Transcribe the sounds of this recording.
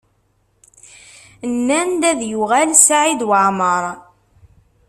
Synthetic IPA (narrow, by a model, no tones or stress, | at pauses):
nːænd̪æðjʊʁælsaʕid̪wəʕməɾˤ